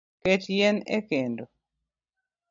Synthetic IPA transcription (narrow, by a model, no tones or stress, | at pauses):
ket͡ʃjɛnḛkendo